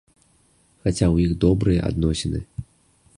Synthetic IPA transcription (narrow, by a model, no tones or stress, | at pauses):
xat͡sʲawjiɣd̪ɔbɾɨjɐʔa̰d̪̚nɔsʲɛnɨ̰